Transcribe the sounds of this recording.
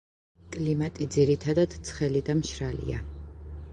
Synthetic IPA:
kʼlimat̪ʼid̪ziɾit̪ʰad̪ad̪̥t̪sʰχɛlid̪amʃɾalḭa̰

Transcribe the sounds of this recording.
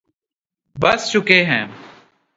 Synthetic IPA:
bəst͡ʃʊkeːɦɛ̰̃ː

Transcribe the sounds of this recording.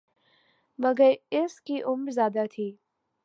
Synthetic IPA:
mɐɡəɾɪskiʔʊmɾzjaːd̪at̪ʰiː

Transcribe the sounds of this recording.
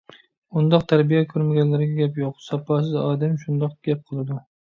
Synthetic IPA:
ʊnd̪ɒq̚t̪ʰaɾbijakʲʰɵɾmaɡʲanlaɾɪɡʲɛɡʲapjoqsɑpɑs̬ɪzɑːd̪ɪmʃʊnd̪ɑq̚ɡ̥ʲap̚qʰɨlˠɪd̪ʊ

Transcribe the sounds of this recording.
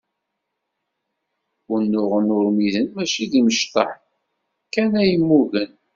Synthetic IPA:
ʊnːʊʁənʊɾmiðənmæʃiðiməʃt̪ˤɑħ | kænæjəmːuɣən

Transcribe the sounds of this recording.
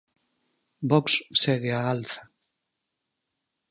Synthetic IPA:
bɔkssɛɣɪaalθa

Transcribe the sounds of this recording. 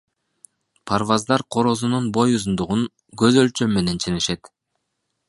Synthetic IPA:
pʰaɾvɑzd̪ɑɾqʰo̞ɾo̞zununbo̞juzund̪uʁun | ɡøzø̞lt͡ʃø̞mːe̞ne̞nt͡ʃʰeneʃe̞t̪

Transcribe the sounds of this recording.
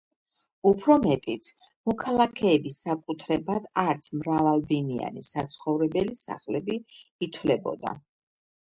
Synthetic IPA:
upʰɾɔmɛt̪ʼit̪sʰ | mɔkʰalˠakʰɛːbisːakʼut̪ʰɾɛbad̪̥aɾt̪sʰmɾavalˠbinia̰nḭsat̪sʰχɔvɾɛbɛlisa̰χlɛbiːt̪ʰwlɛbɔ̰d̪a̰

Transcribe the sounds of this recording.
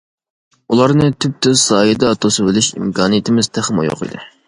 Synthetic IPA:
ulˠɑɾnɨt̪ʰyp̚t̪ʰøzsɑːjɨd̪ɑt̪ʰosɨbɪlyʃḭmkɑːnijit̪ʰɪmɪz̥t̪ʰæχmɑ̰jo̰qɨ̰d̪ɨ

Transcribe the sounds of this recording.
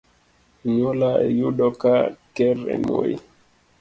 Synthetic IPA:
ɲɔlaɛjuɗɔkakɛɾɛ̰mojḭ

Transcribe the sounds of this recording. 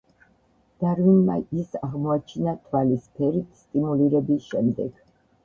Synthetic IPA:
d̪̥aɾvinma̰isaʁmɔat͡ʃʰinat̪ʰwalispʰɛɾit̪ʰst̪ʼimuliɾɛbisʃɛmd̪ɛɡ̥

